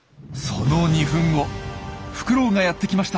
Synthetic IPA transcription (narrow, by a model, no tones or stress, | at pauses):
sonoɲ̟iɸɯ̟̃ŋ̃o̞ɸɯ̟̥kɯ̟ɾo̞ːŋajat̪ːe̞kʲimaɕi̥t̪a